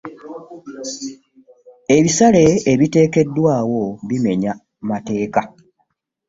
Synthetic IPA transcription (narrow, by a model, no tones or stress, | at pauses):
e̞βisale̞ːβite̞ːke̞dːwaːwo̞βime̞ɲa | mate̞ːka